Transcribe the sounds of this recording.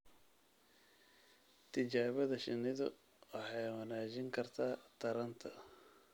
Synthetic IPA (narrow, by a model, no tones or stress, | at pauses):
t̪ʰɪt͡ʃaːβɐðɐʃɪnɪðʊ̰ | wɑħɑjwɐnaːt͡ʃɪŋkʰɐrt̪ʰaːt̪ʰɐɾɐnt̪ʰɐ